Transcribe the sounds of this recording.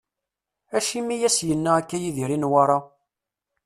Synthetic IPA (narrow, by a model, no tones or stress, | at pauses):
æʃimːijæsjənːaækːæjiðiɾinwaɾˤɑ